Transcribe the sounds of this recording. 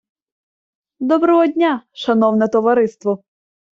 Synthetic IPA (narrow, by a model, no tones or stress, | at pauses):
d̪ɔbɾɔɦɔdʲnʲaʃɐnɔwnɛt̪ɔʋɐɾɪst̪ʋɔ